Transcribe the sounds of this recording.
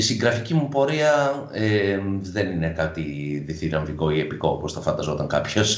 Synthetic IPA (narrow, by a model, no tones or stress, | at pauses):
siŋɡɾɐficimupo̞ɾiɐeðe̞ninekɐt̪iðiθiɾɐɱviko̞ie̞piko̞oposθɐfɐnd̪ɐzo̞t̪ɐŋkɐ̰pços